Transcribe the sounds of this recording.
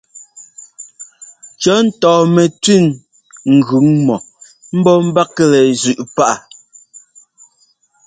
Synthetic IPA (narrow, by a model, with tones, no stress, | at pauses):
t͡ʃɔ˨˦n̩˦tɔː˨mɛ˨tʉ˦˨n | ŋ̩˨ɣʉ˨˦ŋmɔ˨ | m̩˦bɔ˦m̩˦ba˦kɛ˦lɛ˨zʉ˨ʔpa˦ʔa˨